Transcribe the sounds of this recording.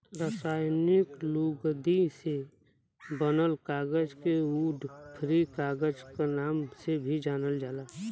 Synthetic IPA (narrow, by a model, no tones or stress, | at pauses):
ɾəsaːjnɪkluːɡd̪ise | bənəlkaːɡəd͡ʒkeuːɖpʰɾikaːɡəd͡ʒkanaːmsebʱid͡ʒaːnəld͡ʒaːlaː